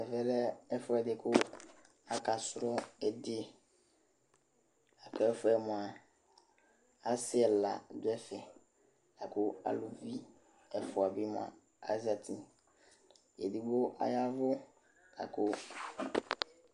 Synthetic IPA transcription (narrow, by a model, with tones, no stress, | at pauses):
ɛ˨fɛ˦lɛ˦ɛ˦fʊ˦ɛ˨dɪ˨kʰʊ˦ | a˨ka˨sʊ˦ɾɔ˦ɛ˨dɪ˦ɛ˨ | a˨kʊ˦ɛ˦fʊ˦ɛ˨mʊ̃˨a˨ | a˦sɪ˦ɛ˨la̰˨dʊ˦ɛ˦fɛ˨ | a˨kʊ˦a̰˨lu˨vi˦ | ɛ˨fʊ˨a˨bi˦m˨a̰˨ | a̰˦za˨tʰi˦ | ɛ̰˨di˨ɡ͡bʊ˦ʔa̰˨ja˦vʊ˦ | a̰˨kʰʊ˦